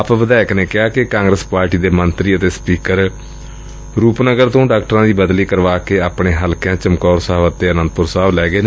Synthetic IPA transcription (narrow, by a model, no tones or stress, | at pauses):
pʋəd̪aːɪkneːkɪaːkɪkãːŋɡɾəspaːɾʈiːd̪eːmənt̪ɾiːət̪eːspiːkəɾ | ɾuːpnəɡəɾt̪õːɖaːkʈɾãːd̪iːbəd̪liːkəɾʋaːkeːaːpɳeːɦəlkjãːt͡ʃəmkɔːɾsaːʋət̪eːənə̃nd̪pʊɾsaːʋlɛːɡeːn